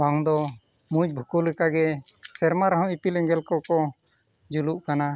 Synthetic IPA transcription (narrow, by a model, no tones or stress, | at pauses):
baŋd̪ɔ | mũd͡ʒbʱukulɛkaɡɛ | sɛɾmaɾɔɦɔ̃ipilɛŋɡɛlkɔkɔ | d͡ʒuluʔkana